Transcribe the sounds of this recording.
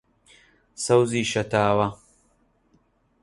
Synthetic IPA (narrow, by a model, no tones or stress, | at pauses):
sɐwziːʃɐt̪aːwɐ